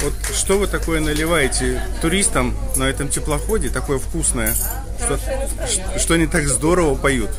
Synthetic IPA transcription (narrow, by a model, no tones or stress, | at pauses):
vo̞t̪ʂt̪o̞vɨt̪ɐko̞jənəlʲɪvajɪtʲɪt̪ʊɾʲist̪əmnɐɛt̪əmtʲɪplˠɐxo̞dʲɪt̪ɐko̞jəfkusnəjə | ʂt̪o | ʂ | ʂt̪oɐnʲit̪aɡzd̪o̞ɾəvəpɐjut̪